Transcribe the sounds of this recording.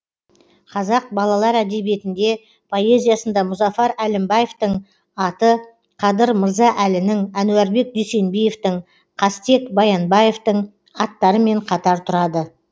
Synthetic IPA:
qʰɑzɑq̚bɑlˠɑlˠɑɾæd̪e̞bije̞t̪ɪnd̪e̞ | pʰo̞e̞zʲijasənd̪ɑmʊzɑfɑɾælɪmbɑje̞ft̪əɴ | ɑt̪ə | qʰɑd̪əɾməɾzɑʔælɪnɪŋænuwæɾbe̞k̚d̪yjse̞nbeje̞ft̪əɴ | qʰɑst̪e̞kbɑjɑnbɑje̞ft̪əɴ | ɑt̪ːɑɾəme̞ɴqʰɑt̪ɑɾt̪ʰʊɾɑd̪ə

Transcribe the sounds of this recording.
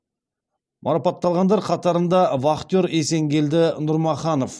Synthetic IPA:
mʔɑɾɑpɑt̪ːɑlˠʁɑnd̪ɑɾqʰɑt̪ɑɾənd̪ɑvɑχt̪joɾese̞ŋɡʲe̞ld̪ɪnʊɾmɑχɑno̞f

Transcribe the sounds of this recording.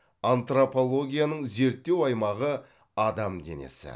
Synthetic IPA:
ant̪ropo̞lˠo̞ɡʲijanəɴze̞ɾt̪ːe̞wɑjmɑʁə | ɑd̪ɑmd̪e̞̰ne̞̰sɪ̰

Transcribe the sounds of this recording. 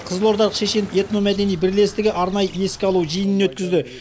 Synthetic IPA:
qʰəzəlˠo̞ɾd̪ɑɾˠəqʃe̞ʃe̞ne̞t̪no̞mæd̪e̞nijbɪɾle̞st̪ɪɡʲɪʔɑɾnɑjəje̞skʲɪɑlˠuʒijənɪnwɵt̪kʲɪzd̪ɪ

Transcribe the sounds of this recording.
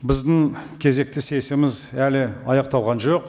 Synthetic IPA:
bɪzd̪ɪŋkʲʰe̞ze̞k̚t̪ɪse̞sɪmɪzælɪɑjɑqt̪ɑwʁɑnʒoq

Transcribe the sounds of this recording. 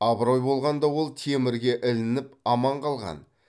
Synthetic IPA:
ɑbɾojbo̞lˠʁɑnd̪ɑwo̞lˠt̪ʰemɪɾɡʲe̞ʔɪlɪnɪpɑmɑɴqʰɑlˠʁɑ̰n

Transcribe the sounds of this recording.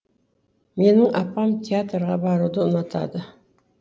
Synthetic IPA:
me̞nɪŋʔɑpːɑmt̪ʲʰeat̪rʁɑbɑɾud̪əʊnɑt̪ʰɑ̰d̪ə

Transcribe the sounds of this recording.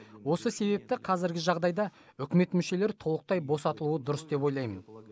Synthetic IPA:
wo̞səse̞βe̞p̚t̪ɪqʰɑzɪɾɡʲɪʒɑʁd̪ɑjd̪ɑ | ʏkʲɪme̞t̪mʏʃe̞le̞ɾt̪ʰo̞lˠəq̚t̪ɑjbo̞sɑt̪əlˠuəd̪ʊɾəsd̪e̞po̞jlˠɑjmən

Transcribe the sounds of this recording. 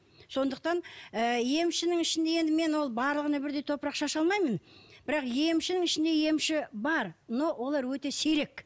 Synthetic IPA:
so̞nd̪əq̚t̪ɑnəje̞mʃɪnɪŋɪʃɪnd̪e̞je̞nd̪ɪme̞nwo̞lˠbɑɾlˠəʁənɑbɪɾd̪e̞jt̪ʰo̞pɾɑqʃɑʃɑlˠmɑjmənb̥ɪɾɑqje̞mʃɪnɪŋɪʃɪnd̪e̞je̞mʃɪbɑɾnowo̞lˠɑɾwɵt̪e̞sejɾe̞k

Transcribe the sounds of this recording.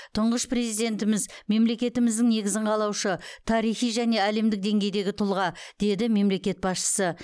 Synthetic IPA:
t̪ʰʊɴʁəʃpre̞zijd̪e̞nt̪ɪmɪzme̞mle̞kʲe̞t̪ɪmɪzd̪ɪŋne̞ɡʲɪzɪɴqʰɑlˠɑwʃət̪ʰɑɾijχijʒæne̞æle̞md̪ɪk̚d̪e̞ŋɡʲe̞jd̪e̞ɡʲɪt̪ʰʊlˠʁɑd̪̥e̞d̪ɪme̞mle̞kʲe̞t̪̚bɑsʃə̥sə

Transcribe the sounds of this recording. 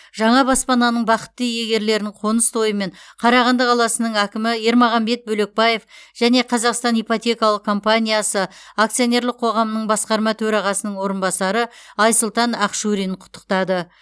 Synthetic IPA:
ʒɑɴɑbɑspɑnɑnəɴbɑqə̥t̪ːəjeɡʲe̞ɾle̞ɾnɪɴqʰo̞nəst̪ʰo̞jəme̞ɴqʰɑɾɑʁɑnd̪əqʰɑlˠɑsənəɴækʲɪmɪje̞ɾmɑʁɑmbe̞t̪̚bɵle̞k̚bɑje̞fʒ̥æne̞qʰɑzɑqst̪ɑnijpot̪ʲe̞kɑlˠəqkʰo̞mpanʲijasəak̚t̪sio̞ne̞ɾlɪq̚qʰo̞ʁɑmənəɴbɑsqɑɾmɑt̪ʰɵɾɑʁɑsənəɴwo̞ɾənbɑsɑɾəɑjsʊlˠt̪ɑnɑqʃuɾijnqʰʊ̥t̪ːə̥qt̪ɑd̪ə

